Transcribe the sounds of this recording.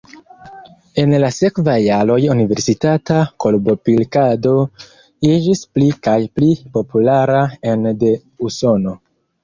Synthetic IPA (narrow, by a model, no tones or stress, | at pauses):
e̞nlase̞kvajːaɾo̞junive̞ɾsitatakolbo̞pilkado̞ | id͡ʒisplikajplipo̞pulaɾae̞nde̞ | uso̞no̞